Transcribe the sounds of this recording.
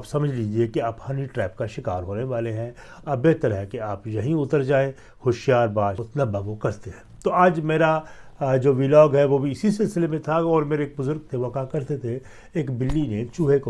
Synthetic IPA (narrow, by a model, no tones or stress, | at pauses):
psɐməd͡ʒʱliːd͡ʒiekiaːphaniʈɾɛːp̚kaʃɪkaːɾɦoːneʋaːleɦɛ̃ | ɐbeːt̪əɾɦɛkeaːpjɐɦĩʊt̪əɾd͡ʒaːẽ | xoːʃjaːɾbaːʊt̪nabɐɡõkɐɾt̪eɦɛ̃ːt̪oaːd͡ʒmeːɾad͡ʒoːʋilɔːɡɦɛʋobʱiɪsisɪlsɪlemẽt̪ʰaɔːɾmeːɾeːk̚bʊzʊɾɡ̚t̪ʰeʋɐkakɐɾt̪et̪ʰe | eːkbɪlːinet͡ʃuːɦeko